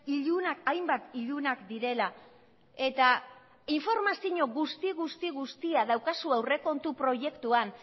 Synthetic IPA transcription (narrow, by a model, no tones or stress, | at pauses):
iʎunaajmbat̪iʎunakd̪iɾe̞la | e̞t̪a | iɱfo̞ɾmasiɲo̞ɣust̪iɣust̪iɣust̪iaðawkasuawre̞ko̞nt̪upɾo̞ʝe̞kt̪uan